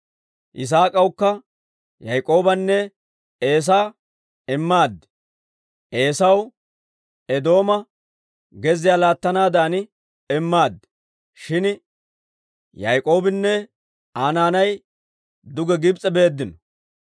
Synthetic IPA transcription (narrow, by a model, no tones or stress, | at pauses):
ʔɪs̬aːkʼɐwkːɐ | jɐjkʼo̞ːbɐnːɛ | e̞ːs̬aː | ɛmːaːd̪ːɛ̥ | ʔe̞ːsɐw | ɛd̪o̞ːmɐ | ɡɛzɪjaːlaːt̪ːɐnaːd̪aːnɪ | ɛmːaːd̪ːɛ̥ | ʃɪn | jɐjkʼo̞ːbɪnːɛ | aːnaːnɐj | d̪ʊɡɛɡɪbt͡sʼːɛbe̞ːd̪ːɪnɔ